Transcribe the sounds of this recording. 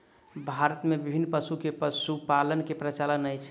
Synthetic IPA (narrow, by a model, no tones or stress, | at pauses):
bʱaɾət̪mebibʱinːpəsukepəsupalənkepɾət͡ʃalənəjt͡ʃʰ